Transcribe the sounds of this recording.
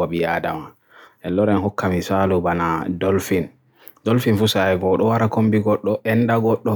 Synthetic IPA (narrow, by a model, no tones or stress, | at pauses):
abijada̰ma | ʔɛlːɔɾɛnhɔkːamisalubanadolfin | dolfinfusaɛɡɔɗɔwaɾakombiɡɔɗːɔʔɛndaɡɔɗːɔ